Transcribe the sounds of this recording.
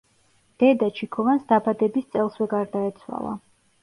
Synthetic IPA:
d̪̥ɛd̪at͡ʃʰikʰɔvansd̪abad̪ɛbist̪sʼɛlˠswɛɡaɾd̪aɛt̪sʰwa̰lˠa̰

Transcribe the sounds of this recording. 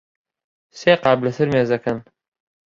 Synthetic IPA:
seːqɑːblɐsɨɾmeːzɐkʰɐn

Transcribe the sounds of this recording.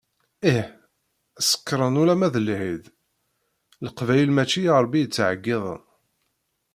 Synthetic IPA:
iħ | æsə̥kːɾˤənulæmæðəlhið | ləqvæjəlmæt͡ʃːijɑɾˤbːijət͡sːʕəɡːɪðˤə̰

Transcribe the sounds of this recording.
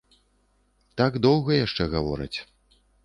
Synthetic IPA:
t̪aɡd̪ɔwɣɐjaʂt͡ʂɛɣavɔ̰ɾɐ̰t͡sʲ

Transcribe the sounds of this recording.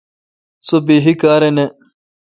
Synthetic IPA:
sobiɦikaːɾene

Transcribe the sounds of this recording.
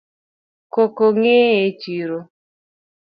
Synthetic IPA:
kokoŋeet͡ʃiɾo

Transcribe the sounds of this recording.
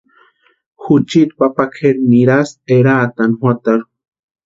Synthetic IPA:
xut͡ʃit̪̚papakʰeɾniɾaseɾaːt̪anhwat̪aɾu

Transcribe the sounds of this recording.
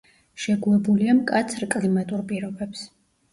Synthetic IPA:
ʃɛɡulˠɛbuliamkʼat̪sʰɾkʼlimat̪ʼuɾpʼiɾɔbɛps

